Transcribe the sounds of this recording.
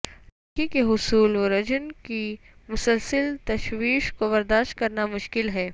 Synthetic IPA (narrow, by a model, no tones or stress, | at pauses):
ɐkikeɦʊsuːlʋɾɐd͡ʒənki | mʊsəlsəlt̪ɐʃwiːʃkobɐɾd̪aːʃt̪̚kɐɾnamʊʃkɪlɦɛː